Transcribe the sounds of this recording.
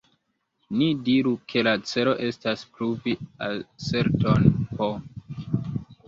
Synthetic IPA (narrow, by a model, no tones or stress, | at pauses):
nidiɾukʰe̞lat͡se̞lo̞ʔe̞staspɾuviase̞ɾtonpo